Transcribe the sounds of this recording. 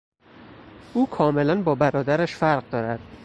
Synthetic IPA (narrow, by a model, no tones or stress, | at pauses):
ʔuːkʰɒːmelænbɒːbæɾɒːd̪æɾæʃfæɾɢd̪ɒːɾæd̪̥